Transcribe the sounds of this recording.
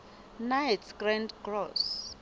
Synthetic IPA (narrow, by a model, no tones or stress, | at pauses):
najtsɡrɛ̃ndɡrɔs